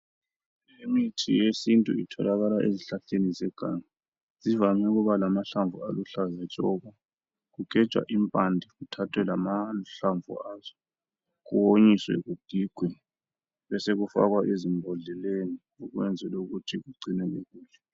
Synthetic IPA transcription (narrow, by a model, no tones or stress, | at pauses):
emitʰijesintʼṵitʰɔlaɣalaʔeziɬaɬenizɛɡ̥ʱaːŋa | zivamɛɣuβalamaɬaɱvʱua̰luɬazɛt͡ʃʼɔɣa | ɣuɡ̥ʱɛ̥t͡ʃʼwa̰ʔimpʼandʱɛɣutʰatʰwɛlamaɬaɱvṵaːzɔ | kuwoɲiswɛ̰ɣud̥ʱiɡ̥ʱwɛ | βɛseɣufa̰ɣwaʔezimbʱɔɮɛleni | uɣwɛnd͡zʱɛloɣutʰiɣuɡ͡ǀʱinɛleɣuːlɛ